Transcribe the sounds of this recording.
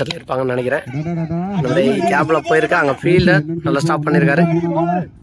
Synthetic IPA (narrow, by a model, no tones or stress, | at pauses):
ɐt̪ɪlɪɾɯpːaːŋɡɐnɐɳɛɪk̬ʲːɪɾẽː | nɐmɐːɽɐjɐkaːplapoːjɪɾɯkːaɐŋɡɐfiːlɐnɐlːɐsʈaːpːɐɳːɪɾɯk̬ːaːɾɯ